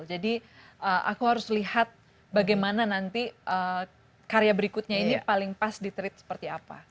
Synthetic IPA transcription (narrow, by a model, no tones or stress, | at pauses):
d͡ʒadi | ʔəʔa̰kuɦaɾʊslihat̪̚ | baɡajmananant̪iʔə | kaɾejabəɾikʊt̪̚ɲainipalɪŋpasdit̪əɾɪt̪̚sə̥pərt̪iapa̰